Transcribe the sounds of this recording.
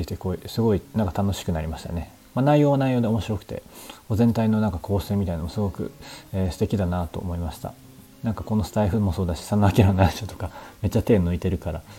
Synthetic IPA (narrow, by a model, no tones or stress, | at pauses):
iɯt̪ekoːisɨɡo̞inãŋkḁt̪ano̞ɕi̥kɯ̟naɾʲimaɕi̥t̪a̰ne̞ | manaijo̞ːβanaijo̞ːd̪e̞o̞mo̞ɕiɾo̞kɯ̟̥t̪e̞̰̥o̞zẽ̞nt̪aino̞nãŋkakʰo̞ːseːmʲit̪ainomosɨɡo̞kɯ̟̰eːsɨ̥t̪ekʲid̪anat̪o̞̰ːmo̞imaɕi̥t̪a̰ | nãŋkako̞no̞sɨ̥t̪aiɸɯ̟mo̞so̞ːd̪aɕi̥sanːoakʲeɾaanaaɕot̪o̞̥kame̞t͡ɕːat̪e̞ːno̟it̪e̞ɾɯ̟kaɾa̰